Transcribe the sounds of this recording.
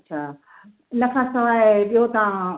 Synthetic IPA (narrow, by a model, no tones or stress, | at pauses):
tːɕʰaː | nɐkʰãːsɐaːɦeɓiɦot̪ɐʋã